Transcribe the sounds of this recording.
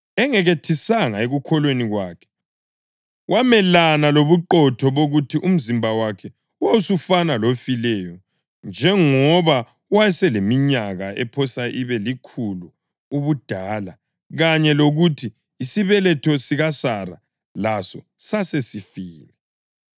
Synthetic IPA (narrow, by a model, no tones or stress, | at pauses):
ɛŋɛɣetʰisaŋaeɣukʰɔlweniɣwaːkʰɛ̥ | wʔamɛlanaloβuǃɔtʰɔβoɣutʰiʔum̩zimbʱawakʰɛ | uwausufanalofilɛjɔ | nd͡ʒʱɛŋɔβa | wajɛsɛlemiɲaɣaʔɛpʰɔsaʔiβɛlikʰulu | uβud̥ʱaːla | ɣaɲɛloɣutʰiː | siβɛlɛtʰɔsiɣasara̰ | lasɔ | sasesifiːlɛ